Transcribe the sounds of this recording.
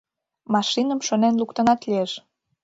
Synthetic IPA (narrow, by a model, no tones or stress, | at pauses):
mɑʃinə̆mʃonenlukt̪ə̆nɑt̪lieʃ